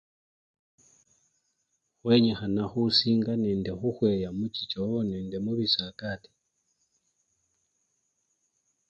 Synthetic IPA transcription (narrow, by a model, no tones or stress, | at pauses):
xweɲexanaxusiːŋɡaneːndexuxwejamucit͡ʃooneːndemuβisakati̥